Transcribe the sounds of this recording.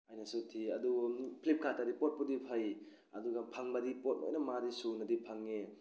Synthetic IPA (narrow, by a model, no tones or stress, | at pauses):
ajnɐsutʰiɐdupʰlip̚kʰatʰadipot̚pudipʰaj | ɐduɡapʰaŋbɐdipot̚mo̰jnɐmadisunɐdipʰaŋːe